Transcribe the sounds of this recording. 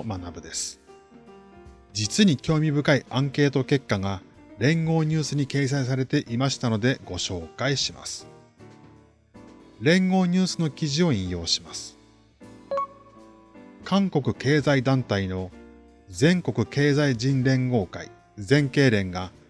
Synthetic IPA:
manabɯ̟d̪e̞sɨ̥ | d͡ʑit͡sɨɲ̟ikʲo̞ːmʲibɯ̟kaiʔãŋke̞ːt̪o̞ke̞kːaɡa | ɾẽ̞ŋɡo̞ːɲ̟ɨːsɨɲ̟ike̞ːs̬ais̬aɾe̞t̪e̞ʔimaɕi̥t̪ano̞d̪e̞ɡo̞ɕo̞ːkaiɕima̰sɨ̥ | ɾẽ̞ŋɡo̞ːɲ̟ɨːsɨno̞kʲiʑio̞ĩjo̞ːɕi̥masɨ̥ | kʰãŋko̞kɯ̟ke̞ːzaid̪ãnt̪aino̞ | zẽ̞ŋko̞kɯ̟ke̞ːzaiʑĩnɾẽ̞ŋɡo̞ːkaḭ | zẽ̞ŋke̞ːɾẽ̞ŋɡa

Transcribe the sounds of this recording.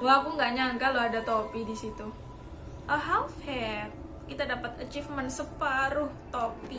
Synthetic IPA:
lapuŋɡaɲaŋkaloadat̪opidisit̪u | ʔəɦawfhɛt̪̚ | kit̪adapat̪at͡ʃifmənsəpaɾʊht̪opi

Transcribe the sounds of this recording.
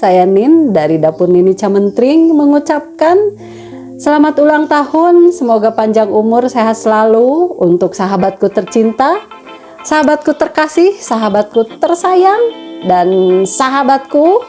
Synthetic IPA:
sajanindaɾidapʊrninit͡ʃamənt̪ɾɪŋməŋut͡ʃap̚kan | səlamat̪ulaŋt̪ahʊnsəmoɡapaɲd͡ʒaŋumʊrseɦat̪səlaluunt̪ʊksaɦabat̪̚kut̪ərt͡ʃint̪a | saɦabat̪̚kut̪ərkasɪhsaɦabat̪̚kut̪ərsajaŋdansaɦabat̪̚ku

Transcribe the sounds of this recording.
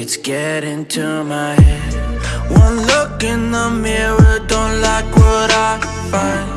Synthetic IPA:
ɨtsɡ̥ɛɾɪ̃ntʰumaɪhɛd | wʌ̃nlʊkɪ̃nðəmɪɹə˞dõʊ̃ntlaɪkwʌɾaɪ | fãɪ̃n

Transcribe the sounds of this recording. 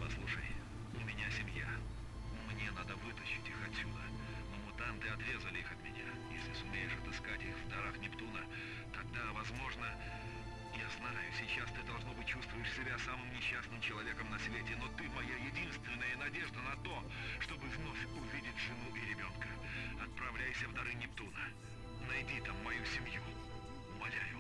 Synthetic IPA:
pɐslˠuʂə̰j | ʊmʲɪnʲasʲɪmʲja̰ | nʊmnʲenad̪əvɨt̪əɕːɪtʲixɐtʲsʲud̪ə | nomʊt̪amt̪ɨɐt̪ɾʲe̞zəlʲɪixɐt̪mʲɪ̰nʲa̰ | jesʲlʲɪsʊmʲejɪʂɐt̪ɨskatʲixvd̪ɐɾaxnʲɪpt̪unə | t̪ɐɡ̚d̪avɐzmo̞ʐnə | jaznajʊsʲɪt͡ɕast̪ɨd̪ɐlˠʐno̞bɨt̚ʲt͡ɕːust̪vʊjɪʂsʲɪbʲasamɨmnʲɪɕːasnɨmt͡ɕɪlˠɐvʲe̞kəmnɐsvʲetʲɪno̞t̪ɨmɐjajɪdʲinst̪vʲɪnːəjənɐdʲe̞ʐd̪ənɐt̪o̞ | ʂt̪o̞bɨvno̞fʲʊvʲidʲɪtʲʐɨnuʔɪɾʲɪbʲo̞nkəɐt̪̚pɾɐvlʲæjsʲəvd̪ɐɾɨnʲɪp̚t̪unə | nɐjdʲit̪amːɐjusʲɪmju | mɐlʲajʊ

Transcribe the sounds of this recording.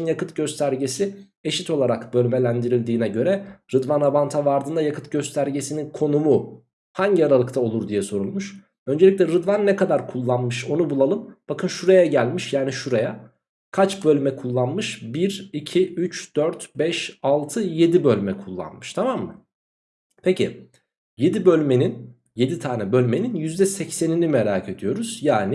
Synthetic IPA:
njakɯt̪ɟø̞st̪ʰæɾɟe̞si | e̞ʃit̪ʰo̞lˠaɾakbø̞lʲme̞lʲænd̪iɾilʲd̪iːnɛɟø̞ɾɛɾɯd̪vanabant̪ʰavaɾd̪ɯnd̪ajakʰɯt̪ɟø̞st̪ʰæɾɟe̞sininkʰo̞numu | haɲɟiaɾalˠɯkt̪ʰao̞lˠuɾd̪ijɛso̞ɾulˠmuʃ | ø̞nd͡ʒelʲic̬ʲlʲɛɾɯd̪vanːɛkad̪aɾkʰulˠːanmɯʃo̞nubulˠalˠɯmb̥akʰɯnʃuɾajaɟælʲmiʃjaːniʃuɾaja | kʰat͡ʃbø̞lʲymɛkʰulˠːanmɯʃbiɾicʰiyt͡ʃd̪̥øɾt̪bɛʃalˠt̪ʰɯje̞d̪ibø̞lʲmɛkʰulˠːa̰nmɯʃt̪ʰamamːɯ | pʰecʰḭ | je̞d̪ibø̞lʲmenin | je̞d̪it̪ʰaːnɛbø̞lʲme̞ninjyzd̪ɛsɛcse̞ninimeɾaːkʰe̞d̪ijo̞ɾuz̥jaːni

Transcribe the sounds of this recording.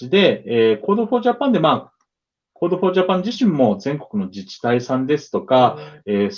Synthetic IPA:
id̪e̞eːko̞ːd̪o̞ɸo̞ːʑapːãnd̪e̞maː | koːd̪o̞ɸo̞ːʑapãɲ̟d͡ʑiɕĩmːo̞d͡zẽ̞ŋko̞̥kɯ̟no̞d͡ʑit͡ɕi̥t̪aisãnd̪e̞sɨ̥t̪o̞kaeːs

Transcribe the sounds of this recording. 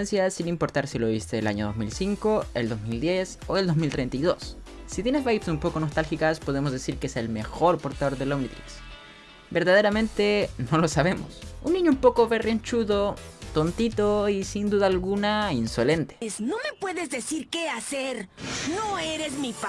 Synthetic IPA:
ensjasinimpo̞ɾt̪aɾsilo̞βist̪e̞ːla̰ɲo̞ðo̞zmilsiŋko̞ḛld̪o̞zmild̪je̞soeld̪o̞zmilt̪ɾejnt̪iðo̞̰sː | it̪jenezβajpsumpo̞ko̞no̞st̪alxikaspo̞ð̞e̞mozðesiɾkeese̞lme̞xo̞ɾpo̞ɾt̪aðo̞ɾðe̞lawnit̪ɾḭks | be̞ɾðaðe̞ɾamẽ̞nt̪e̞no̞lo̞saβe̞mo̞̰sunːĩɲoumpo̞ko̞βereent͡ʃuðot̪o̞nt̪it̪o̞isind̪uðaːlɣunainso̞le̞nt̪e̥sno̞me̞pwe̞ðe̞zd̪esiɾke̞aseɾnoeɾezmipa

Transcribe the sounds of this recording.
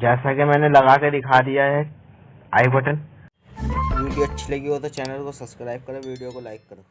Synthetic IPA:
d͡ʒɛːsakemɛːnelɐɣaked̪ɪkʰad̪ijaɦɛ | a̰ːipɐʈən | juːbiɐtːʃʰileɡiot̪ot͡ʃɛːnəlkosɐskɾaːɪb̚kɐɾoʋiːɖijokolaːɪkːɐɾoː

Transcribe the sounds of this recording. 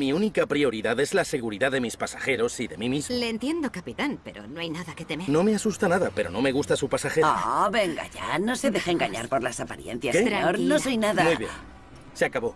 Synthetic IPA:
miunikapɾio̞ɾiðaðe̞zlase̞ɣuɾiðaðemispasaxe̞ɾo̞siðe̞mimizle̞ːnt̪je̞nd̪okapit̪anpe̞ɾo̞̰noajnaðake̞t̪e̞meɾno̞me̞asust̪anaðape̞ɾo̞̰no̞me̞ɣ̞ust̪asupasaxeɾoβe̞ŋɡa̰ʝa̰no̞se̞ðexeeŋɡaɲa̰ɾpo̞ɾlasapaɾje̞̰nθjakɾaoɾnosso̞jnaðammuiβje̞̰n | seakaβo̞

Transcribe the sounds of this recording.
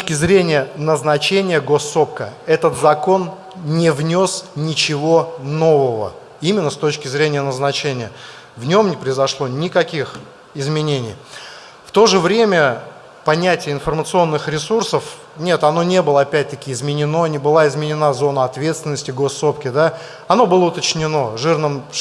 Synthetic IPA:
kʲɪzɾʲenʲɪjənəznɐt͡ɕenʲɪjəɡo̞sːo̞p̚kəɛt̪ət̪zɐko̞n | nʲɪvnʲosnʲɪt͡ɕɪvo̞no̞vəvə̰ | imʲɪnːəst̪o̞t͡ɕkʲɪzɾʲenʲɪjənəznɐt͡ɕenʲɪjə | vnʲo̞mnʲɪpɾəjɪzɐʂlˠo̞nʲɪkɐkʲix | ɪzmʲɪnʲenʲɪj | ft̪o̞ʐɨvɾʲemʲə | pɐnʲætʲɪjəɪnfərmət̪sɨo̞nːɨxɾʲɪsursəf | nʲe̞t̪ɐno̞nʲe̞bɨlˠəɐpʲæt̚ʲt̪əkʲɪɪzmʲɪnʲɪno̞nʲɪbɨlˠaɪzmʲɪnʲɪnazo̞nəɐt̪vʲe̞t̪st̪vʲɪnːəsʲtʲɪɡo̞sːo̞pkʲɪd̪a | ɐno̞bɨlˠəʊt̪ət͡ɕnʲɪno̞ʐɨrnəm

